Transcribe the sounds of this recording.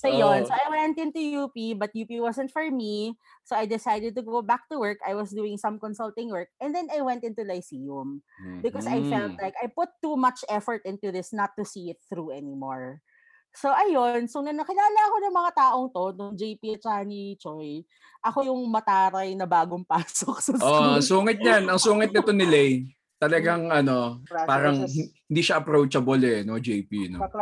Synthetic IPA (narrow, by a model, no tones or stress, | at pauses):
ɐjonsoʔajwɛnt̪̚ɪ̃nt̪ujuːpibɐt̪̚juːpiwɔsɛ̃nt̪fɔɹmi | soɐjd̪ɪsajd̪ɛd̪̚t̪ʊɡowbak̚t̪uwɜɹka̰jwɐsd̪uːɪŋsɐ̃mkonsɔlt̪ɪ̃ŋwɜɹk̚ɛ̃nd̪ɛnajwɛ̃nt̪ɪ̃nt̪ulajsijʊmbɪkɔsajfɛlt̪̚lajkɐjpʊt̪ːumɐt͡ʃʔɛfɔɹt̪̚ʔɪ̃nt̪uðɪsnɐt̪ːusiɪt̪̚θɾuɛnimoɹ | soʔɐjonsonɐnɐkɪlaːlɐɐkonɐŋmɐŋat̪aːʔo̞ŋt̪o̞nʊŋd͡ʒejpiɐt͡ʃanit͡ʃoj | ʔɐkojʊŋmɐt̪aːɾɐjnɐbaːɡoŋpaːsok̚sɐoɐsuːŋɪt̪̚ɲanɐŋsuːŋɪt̪̚nɪt̪onɪlɛj | t̪ɐlɐɡaŋʔɐno̞paːɾɐŋɪhɪnd̪iʃaʔɐpɾowt͡ʃɐbolɛnod͡ʒejpḭno